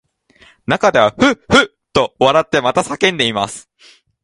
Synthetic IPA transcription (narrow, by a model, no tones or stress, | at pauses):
nakad̪e̞βaɸɯ̟ɸɯ̟t̪ːo̞βaɾat̪ːe̞mat̪asakẽ̞nd̪e̞ima̰sɨ̥